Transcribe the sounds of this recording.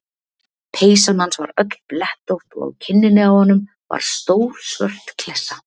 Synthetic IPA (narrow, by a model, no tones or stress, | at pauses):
pʰeːjsamhansva̰ɾœt̪lplɛht̪owht̪ɔ̰ɣcʰɪnːɪnɪawhɔnːʏm | va̰ɾ̥st̪owɾ̥svœ̰r̥t̪kʰlɛsːa